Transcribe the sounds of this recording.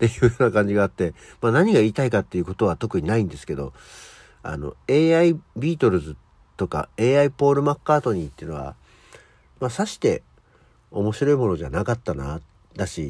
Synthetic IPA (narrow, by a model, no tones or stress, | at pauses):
t̪e̞jɯːjonakãɲ̟d͡ʑiɡaːt̪ːe̞maːnaɲ̟iɡaiːt̪aikat̪ːe̞jiɯ̟ko̞t̪o̞β̞at̪o̞kɯ̟ɲ̟inaĩnd̪e̞sɨ̥ke̞d̪o̞̰ | a̰no̞̰e̞ːaibʲiːt̪o̞ɾɯ̟zɨ | t̪o̞ka̰e̞ːaipo̞ːɾɯ̟makːaːt̪o̞ɲ̟it̪ːeɯno̞βa̰ | masaɕi̥t̪e̞̰ | o̞mo̞ɕiɾo̞imo̞no̞ʑanakat̪ːana | d̪aɕi